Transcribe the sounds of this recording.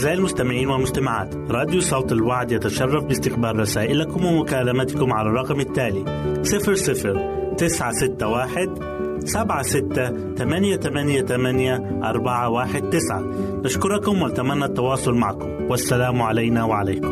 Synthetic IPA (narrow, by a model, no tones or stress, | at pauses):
ɪzaːjalmʊst̪amɪʕiːnwɪlmʊst̪amaʕa̰ːt̪ɾˤɑːd̪jusˤɑwt̪ɪlwaʕd̪jat̪aʃɑrˤːɑfbɪst̪ɪqbaːɾˤːɑsaːʔɪlakʊmwɪmʊkaːlamat̪kʊmʕalarˤːɑqmɪt̪ːaːli | sˤɨfɾsˤɨfɾt̪ɪsʕasɪt̪ːawaːħɪd̪ | sabʕasɪt̪ːa | t̪amanjat̪amanjat̪amanja | ʔɑ̰ɾˤbaʕawaːħɪd̪̚t̪ɪsʕa̰naʃkʊɾˤɑkʊmwɪnt̪amanːat̪ːɑwɑːsˤʊlmaʕkʊmwasːalaːmʕalajnawaʕalajkʊm